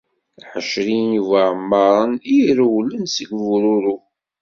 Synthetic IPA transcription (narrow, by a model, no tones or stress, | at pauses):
ħəʃɾinuvaʕəmːəɾˤəniɾwlːənsəɡvɾʊɾu